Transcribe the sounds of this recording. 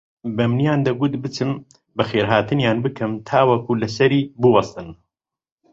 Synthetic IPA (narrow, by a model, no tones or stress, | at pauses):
bɐmnjaːnd̪ɐɡʊt̪bɨt͡sɨm | bɐxeːɾɦaːt̪ʰɨnjaːnbɨkʰɨmt̪ʰaːwɐkulɐsɐɾiːbɨwɑst̪ɨn